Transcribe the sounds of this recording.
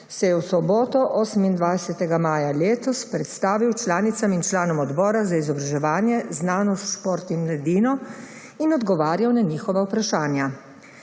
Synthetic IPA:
sɛjɛwsɔbɔːt̪ɔʔɔːsəmind̪ʋajsɛt̪ɛɡamaːjaleːt̪ɔspɾɛt̪st̪aːʋiwt͡ʃlaːnit̪samint͡ʃlaːnɔmɔd̪bɔːɾazaizɔbɾaʒɛʋaːnjɛznaːnɔst̪ʃpoɾt̪nimmlad̪iːnɔ | inɔd̪ɡɔʋaːɾjawnaɲiːxɔʋawpɾaʃaːnja

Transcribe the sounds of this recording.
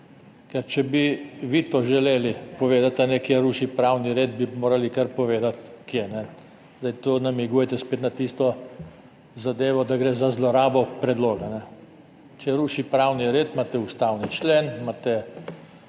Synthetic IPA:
kɛɾt͡ʃɛbiʋit̪oʒɛleːlipɔʋeːd̪at̪anɛkjeɾuːʃipɾaːwniɾeːd̪̚bimoːɾalikaɾpɔʋeːd̪at̪kjenɛ | zd̪ajt̪onamiɡujɛt̪ɛspeːt̪nat̪ist̪ɔ | zad̪eːʋɔd̪aɡɾeːzazlɔɾaːbɔpɾɛd̪loːɡanɛ | t͡ʃɛɾuːʃipɾawniɾeːt̪mat̪ɛust̪awnit͡ʃlenmaːt̪ɛ

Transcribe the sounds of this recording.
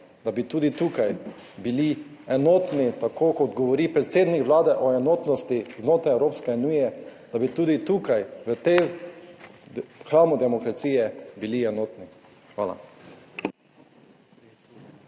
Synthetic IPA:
d̪̥abit̪uːd̪it̪uːkaj | bili | ɛnoːt̪nit̪akʰoːkɔt̪ɡɔʋɔɾiːpɾɛt̪seːd̪nikʋlaːd̪ɛʔɔɛnoːt̪nɔst̪iznoːt̪ɾajɛwɾoːpskɛunujɛd̪̥abit̪uːd̪it̪uːkajʋət̪e | xɾaːmud̪ɛmɔkɾat̪siːjɛbiliɛnoːt̪ni | xʋa̰ːla̰

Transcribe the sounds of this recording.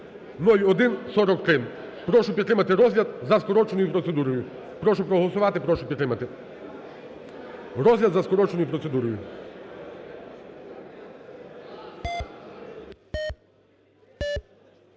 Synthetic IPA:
nɔjʲɔd̪ɪnsɔɾɔkt̪ɾɪn | pɾɔʃʊpʲit̪t̪ɾɪmɐt̪ɪɾɔzlʲɐd̪̚zɐskɔɾɔt͡ʃenʊjʊpɾɔt̪sed̪uɾɔjʊ | pɾɔʃʊpɾɔɦɔlˠɔsʊʋɑt̪ɪpɾɔʃʊpʲit̪t̪ɾɪmɐt̪ɪ | ɾɔzʲlʲɐd̪zɐskɔɾɔt͡ʃenʊjʊpɾɔt̪se̞d̪uɾɔjʊ

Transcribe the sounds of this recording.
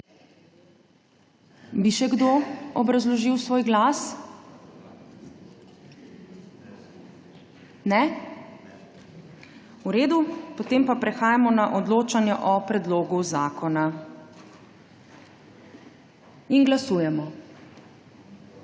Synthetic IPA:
biʃɛɡd̪oɔbɾazlɔʒiwsʋoːjɡlas | nɛ | uɾeːd̪upɔt̪eːmpapɾɛxaːjamɔnaʔɔd̪loːt͡ʃanjɛʔɔpɾɛd̪loːɡuzaːkɔna | inɡlasuːjɛmɔ

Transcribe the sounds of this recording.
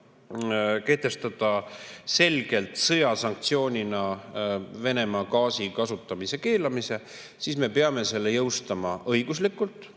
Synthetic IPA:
ke̞ht̪e̞st̪ɑd̪̥ɑse̞lɡ̥e̞lt̪ˑsɤjɑsɑŋk̚t̪sio̞ːnʲinɑ | ve̞ne̞mɑːkɑːsikɑsut̪ːˑɑmise̞ke̞ːlɑmise̞ | sisme̞peɑme̞se̞lːe̞jɤwst̪ɑmɑʔɤjɡ̥uslikːˑult̪ːˑ

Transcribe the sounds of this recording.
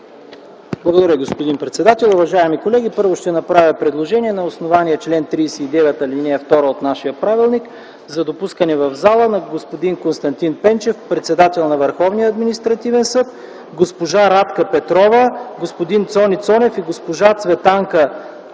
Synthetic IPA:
blˠɐɡod̪ɐɾəɡospod̪inpɾɛt̪sɛd̪at̪ɛlˠʊvɐʒaɛmikolɛɡ̟ʲipɤɾvoʃt̪ɛnɐpɾavʲəpɾɛd̪lˠoʒɛniɛnɐosnovaniɛt͡ʃlɛnt̪ɾiːsɛid̪ɛvɛt̪ɐlinɛɛft̪ɔɾəot̪naʃijəpɾavilˠnik | zɐd̪opuskənɛvɐvzalˠənɐɡospod̪inkonst̪ɐnt̪inpɛnt͡ʃɛfpɾɛt̪sɛd̪at̪ɛlˠnɐvəɾxɔvniəɐd̪minist̪ɾɐt̪ivɛnsɤt̪̚ | ɡospoʒaɾat̪kəpɛt̪ɾɔvəɡospod̪int̪sɔnit̪sɔnɛfiɡospoʒat̪svɛt̪aŋkə

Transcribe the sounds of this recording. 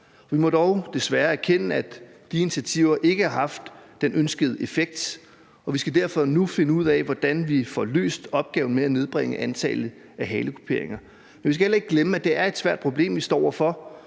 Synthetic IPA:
ɒʋimɒ̽ɾ̥ɒʊd̥e̝sʋæɐæɐkʰenəæd̥i̝nt͡sʰiæt͡sʰiʊ̰ɐʔe̝ɡ̥əhɑ̈ɦhɑ̈fd̥ːenønsɡ̥əð̞ˠəe̝feɡ̥̚d̥ | ɒ̽ʋisɡ̥æd̥æɐfɒ̽nufe̝nəuð̞̰ˠɛʋɒd̥ænʋifɒlø̰ːsd̥ɒ̽b̥̚ɡ̥ɛ̰ːʊn̩meæne̝ð̞ˠb̥ʁeŋ̰əʔænt͡sʰɛ̰ːlð̩ˠ | æɦɛːləkʰo̝̥pʰe̝ɐe̝ŋɐ | menʋisɡ̥æhelɐe̝ɡ̥̚ɡ̥leməæd̥e̝æɐe̝d̥sʋæɐ̰d̥̚pʰʁo̝b̥le̝̰ːmʋisd̥ɒ̰ːɐfɒ̽

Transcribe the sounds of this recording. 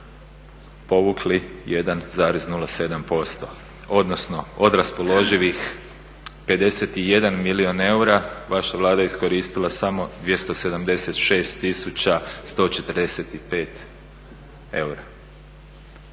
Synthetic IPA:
po̞ʋuklije̞d̪anzaːɾeznulase̞d̪ampo̞st̪o̞ | o̞d̪no̞sno̞od̪ɾaspo̞lo̞ʒiʋix | pe̞d̪e̞set̪ijed̪anmilio̞ne̞uɾaʋaʃaʋlˠaːd̪ajeisko̞ɾiːst̪ilˠasamo̞d̪ʋje̞st̪o̞se̞d̪amd̪e̞set̪ʃe̞ːst̪ːisut͡ɕast̪o̞ːt͡ʃe̞t̪əɾd̪eset̪ipe̞ːt̪ | e̞uɾa

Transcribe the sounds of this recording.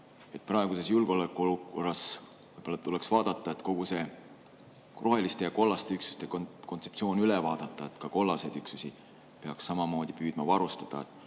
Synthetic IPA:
e̞t̪̚ːˑprɑeɡ̥use̞sjulɡ̥o̞lekːˑuoluko̞rːɑs | vɤjb̥olɑt̪ule̞ksv̥ɑːd̪̥ɑt̪ˑːɑet̪ko̞ɡ̥use̞ | rʔo̞ɦe̞list̪e̞jɑko̞lːɑst̪e̞yksu̥st̪e̞kkot̪se̞p̪̚sio̞ːnylevɑːd̪̥ɑt̪ːˑɑe̞t̪kɑko̞lːɑse̞d̪̥yksusi | pe̞ɑksːɑmɑmo̞ːd̪̥ipyːd̪̥mɑvɑɾust̪ɑ̥d̪̥ɑ̰et̪ːˑ

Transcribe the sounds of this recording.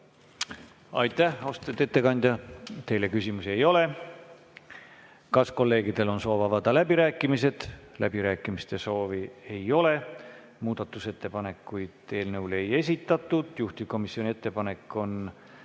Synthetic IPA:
ɑ̰jt̪ːæho̞st̪et̪ːet̪ːe̞kɑnʲd̪̥jɑt̪e̞jle̞kysimusie̞jo̞le̞ | kɑsko̞lːe̞ːɡid̪̥e̞lo̞nso̞ːvɑvɑd̪ɑlæbiɾæːkːˑimise̞d̪̥lʔæ̰b̥iɾæːkːˑimist̪e̞so̞ːvie̞jo̞le̞ | muːd̪̥ɑt̪ːˑuse̞t̪ːe̞pɑne̞kːujd̪̥t̪eːlnɤwle̞je̞s̬ʲit̪ːˑɑt̪ːˑud̪̥juht̪iko̞misio̞nʲie̞t̪ːe̞pɑne̞kːˑo̞n

